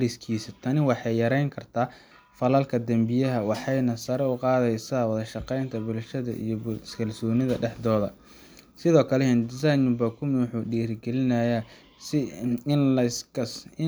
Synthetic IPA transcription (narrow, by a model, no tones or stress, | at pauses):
lɪskʰiːsɐt̪ʰɐnɪwɑħɑjjɐɾɛjŋkʰɐrt̪ʰaː | fɐlɐlkʰɐd̪ɐmbɪjɐɦɐwɑħɑjnɐsɐɾɛʊqɑːðɛjsawɐðɐʃɑqɛjnt̪ʰɐbʊlʃɐðɐ̰ʔḭjɔbskʰɐlsɔːnɪðɐɖɛħd̪ɔːðɐ̰ | sɪðɔːkʰɐlɛɛnd̪ɪsajnʊbɐkʰʊmħuːɖiːrɡɛlɪnɐja | sɪ | ɐsɪ